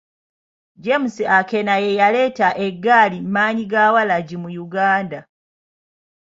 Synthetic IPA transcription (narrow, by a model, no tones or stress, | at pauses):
ɟemusiʔakenajejale̞ːtaʔeɡːaːlimmaːɲiɡaːwalaɟimujuɡaːnda